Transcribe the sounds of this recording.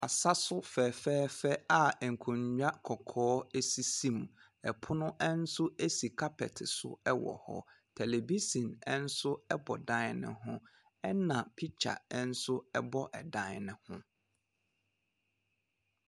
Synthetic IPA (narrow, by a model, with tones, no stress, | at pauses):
a˨sa˦sʊ˦fɛː˨fɛː˦fɛ˦a˨ɛ˨ŋ̩˨kʰũ˨ɲᶣa˦kʰɔ˨kʰɔː˦ɛ˦si˦sĩ˦˨m | ɛ˨pʰʊ˦nʊ̃˦ʔɛ˦n̩˦sʊ˦e˦si˨kʰa˦pʰɛ̰˨tʰɪ˨sʊ̰˦ɛ˦wɔ̰˨hɔ̰˨ | tʰɛ˨le˨bi˦sĩ˨nɛ̃˦n̩˦sʊ˦ɛ˦bɔ˨dã˦nɪ̰̃˦˨ɦʊ̃˦ | ɛ˦nã˨pʰi˦t͡ɕʰa̰˨ɛ˦n̩˦sʊ˦ɛ˦bɔ˦ʔɛ˨dã˦n˨nɪ̃˨hʊ̃˦